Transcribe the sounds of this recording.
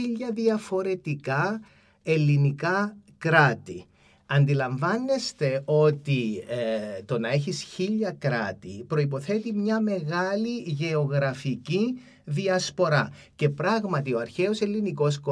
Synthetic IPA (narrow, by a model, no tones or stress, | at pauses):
iʎːɐðiɐfo̞ɾe̞t̪ikɐ | e̞lːinikɐkɾɐt̪i | ɐnd̪ilɐɱvɐnːe̞st̪e̞o̞t̪i | t̪o̞nɐe̞çisçiʎːɐkɾɐt̪ipɾo̞ip̬o̞θe̞t̪imɲɐme̞ɣɐliʝe̞oɣɾɐfici | ðiɐspo̞ɾɐ | ce̞pɾɐɣmɐt̪io̞ɐɾçe̞o̞se̞lːiniko̞s̬ko